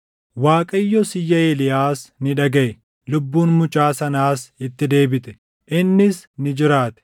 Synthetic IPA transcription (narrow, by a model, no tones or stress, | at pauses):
waːkʼɐjːɔsɪjːɐeːlɪjaːsnɪᶑɐɡɐʔɛ | lʊbːuːnmʊt͡ʃʼaːsɐnaːsɪt̪ːɪd̪e̞ːbɪt̪ɛ̥ | ʔɪnːɪsnɪd͡ʒɪɾaːt̪ɛ̥